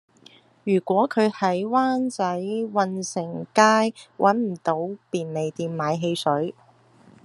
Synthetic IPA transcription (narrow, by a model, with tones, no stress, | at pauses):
jyː˨˩kʷɔː˨˥kʰɵ˨˧ɥhɐ˨˥jwaː˥nt͡sɐ˨˥jwɐ˧nsɪ˨˩ŋkaː˥jwʔɐ˨˥nm̩˨˩t̪o˨˥wpiː˨nle˨jt̪iː˧mmaː˨˧jɦe˧jsɵ˨˥ɥ